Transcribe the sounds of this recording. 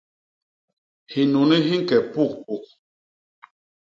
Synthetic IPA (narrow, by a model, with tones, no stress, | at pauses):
hi˨nu˨ni˦ɦi˦ŋ̩˦kɛ˨pu˦˨k̚pu˨k̚